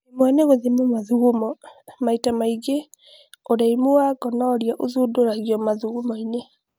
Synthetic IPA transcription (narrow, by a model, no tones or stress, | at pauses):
emwɛneɣoðemomaðuɣomɔmaitamaiɡe | oɾaimoaɡɔnɔɾjaʔoðudoɾaɣiɔmaðuɣumɔine